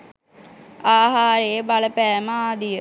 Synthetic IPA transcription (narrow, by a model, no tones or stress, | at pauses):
aːɦaːɾeebaləpæːməaːd̪ijə